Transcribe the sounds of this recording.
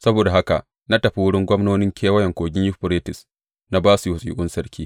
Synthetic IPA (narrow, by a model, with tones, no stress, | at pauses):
sɐ˦boː˨da˨ɦa˦ka̰˨ʔ | na˦tɐ˨ɸi˦wʊ˦ɽɪ˦ŋɡʷɔ˦mnoː˦nɪ˦ŋkʲʰeː˦wɐ˦jɛ˨ŋkʷoː˨ɡʲɪ˦jʊ˦ɸʊ˨ɾeː˦tɪ˨s | na˦baː˦su˨hʊ˨sʼḭː˨˦kʷʼʊ˦nsɐ˦ɾkʲʰiː˦